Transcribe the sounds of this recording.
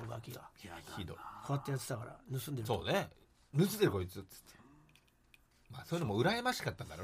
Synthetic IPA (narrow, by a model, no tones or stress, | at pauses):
oɡakʲiɡaçid̪o̞̰ikʰaβat̪ːajat͡sɨ̥t̪akaɾa̰nɯ̟sɨ̃nd̪eɾso̞̰ːne | nɯt͡sɨd̪eɾko̞it͡sɨɨ̥t̪ʰːe̥ | maːsoji̟nomo̞ɯ̟ɾaemaɕi̥kat̪ːãnd̪aɾo